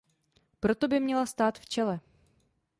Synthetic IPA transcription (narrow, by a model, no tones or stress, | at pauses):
pɾot̪obɪmɲɛlast̪aːt̪ft͡ʃɛlɛ